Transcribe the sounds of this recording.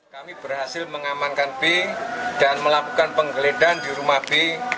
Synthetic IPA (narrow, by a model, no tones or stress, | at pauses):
kamibərɦasɪlməŋamankanb̥ed̥anməlakukanpəŋɡəledandiɾumahb̥e